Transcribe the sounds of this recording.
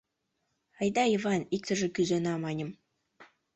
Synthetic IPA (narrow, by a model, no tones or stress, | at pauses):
ɑjd̪ɑivɑnik̚t̪ə̆ʒĕkyzenɑmɑnʲə̆m